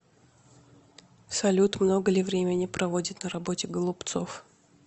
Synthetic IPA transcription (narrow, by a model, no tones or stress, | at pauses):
sɐlʲut̪mno̞ɡəlʲɪvɾʲemʲɪnʲɪpɾɐvo̞dʲɪt̪nəɾɐbo̞tʲɪɡəlˠʊpt̪sof